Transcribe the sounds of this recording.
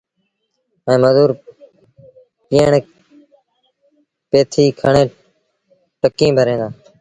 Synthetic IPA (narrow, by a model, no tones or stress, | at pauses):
ẽːməzuːɾ | piːəɳ | peːt̪ʰiːkʰəɳẽː | ʈəkĩːbʱəɾẽːnd̪aː